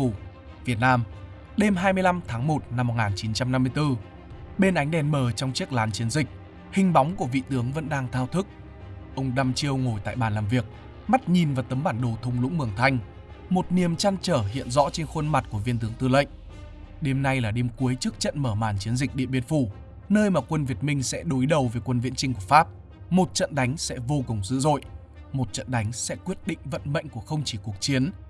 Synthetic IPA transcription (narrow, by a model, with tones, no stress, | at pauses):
vi˨˩ət̚naː˧m | ɗe˧mɦaː˧jmɨ˧əjla˧mt̪ʰaː˨˦ŋmo˨˩t̚na˧mː˨˩t̚ŋaː˨˩nt͡ɕi˨˦nt͡ɕa˧mna˧mːɨ˧əjt̪ɨ˧ | ɓe˧nʔa˨˦jŋ̟ɗɛ˧˩nməː˧˩t͡ɕɔ˧wŋ͡mt͡ɕi˦˥ək̚laː˨˦nt͡ɕi˨˦nzï˨˩k̟̚ | hï˨˩ŋ̟ɓɔ˨˦wŋ͡mku˧˩əvḭ˧˨t̪ɨ˨˦əŋvə̰˧˥nɗaː˧ŋt̪ʰaː˧wt̪ʰɨ˦˥k̚ | ʔə˧wŋ͡mɗa˧mt͡ɕi˧əwŋo˨˩jt̪a̰ː˧˨jɓaː˨˩nlaː˨˩mvi˨˩ək̚ | ma˦˥t̚ɲi˨˩nvaː˨˩wt̪ə˨˦mɓaː˧˩nɗo˨˩t̪ʰə˧wŋ͡mlʊ̰˧˥ŋ͡mmɨ˧˩əŋt̪ʰa˧jŋ̟ | mo˨˩t̚ni˨˩əmt͡ɕaː˧nt͡ɕəː˧˩ɦḭ˧˨ənzɔ̰˧˥t͡ɕe˧nxə˧nma˨˩t̚ku˧˩əvi˧nt̪ɨ˨˦əŋt̪ɨ˧lə̰˧˨ŋ̟ | ɗe˧mna˧jlaː˨˩ɗe˧mku˨˦əjt͡ɕɨ˦˥k̚t͡ɕə̰˧˨nməː˧˩maː˧˩nt͡ɕi˨˦ənzi˨˩k̚ɗḭ˧˨əɓi˧ənfu˧˩ | nəː˧jmaː˨˩kwə˧nvi˨˩ət̚mï˧ŋ̟sɛ̰˧˥ɗo˨˦jɗə˨˩wveː˨˩jkwə˧nvḭ˧˥ənt͡ɕï˧ŋ̟ku˧˩əfaː˦˥p̚ | mo˨˩t̚t͡ɕə̰˧˨nɗa˨˦jŋ̟sɛ̰˧˥vo˧ku˨˩wŋ͡mzɨ̰˧˨zo̰˧˨j | mo˨˩t̚t͡ɕə̰˧˨nɗa˨˦jŋ̟sɛ̰˧˥kwi˦˥ət̚ɗḭ̈˧˨ŋ̟və̰˧˨nmə̰˧˨jŋ̟ku˧˩əxə˧wŋ͡mt͡ɕi˧˩ku˨˩ək̚t͡ɕi˨˦ən